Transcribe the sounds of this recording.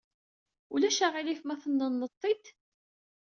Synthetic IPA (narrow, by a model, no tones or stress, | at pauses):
ulæʃaʁilifmæθənːənːət̪ˤːid̪